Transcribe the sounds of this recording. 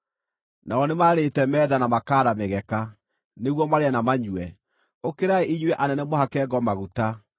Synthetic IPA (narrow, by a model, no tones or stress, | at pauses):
naɔnemaɾetɛmɛːðanamakaːɾameɣɛka | neɣwɔmaɾeanamaɲwɛ | okeɾaeʔiɲwɛʔanɛnɛmɔhakɛːɡɔmaɣuta